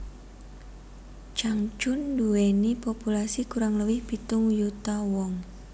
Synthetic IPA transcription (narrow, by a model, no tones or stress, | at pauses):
t͡ʃaŋt͡ʃʊnduenipopulasikuɾaŋləwɪhb̥i̤t̪ʊŋjut̪awɔŋ